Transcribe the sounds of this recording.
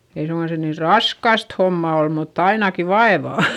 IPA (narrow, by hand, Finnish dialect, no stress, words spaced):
ei suŋkɑn se niːr rɑskɑst homːɑ ol mutː ɑinɑki ʋɑeʋɑˑ